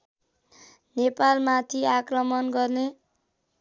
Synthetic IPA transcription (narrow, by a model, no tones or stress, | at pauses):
nepalmat̪ʰiakrʌmʌnɡʌrne